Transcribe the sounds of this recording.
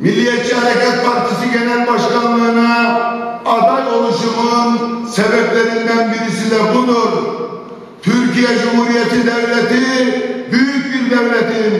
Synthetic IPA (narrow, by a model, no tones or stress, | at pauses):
milːijɛt͡ʃʰihæɾɛkʲɛt̪̚pʰɑɾt̪ʰisiɡʲɛnænbɑʃqɑlɯnɑ | ɑd̪ɑjoɾuʃumɯnsɛbɛplɛɾind̪ænbiɾisid̪ɛqʊd̪od̪ | t̪ʰyɾkʲijɛd͡ʒumhuɾijɛt̪ʰid̪æwlɛt̪ibyjykʲbiɾd̪æwlɛt̪i